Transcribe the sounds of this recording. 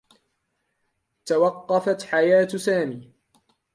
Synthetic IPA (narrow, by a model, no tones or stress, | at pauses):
t̪awɑqːɑfat̪ħajaːt̪saːmiː